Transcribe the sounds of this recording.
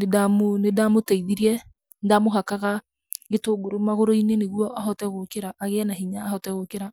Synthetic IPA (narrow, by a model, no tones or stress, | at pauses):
nedamonedamotaiðiɾiɛ | ndamoɦakaɣa | ɣetoːɡoɾomaɣoɾoineneɣwɔʔaɦɔtɛɣokeɾaʔːɣɛnaɦiɲaːhɔtɛɣokeɾa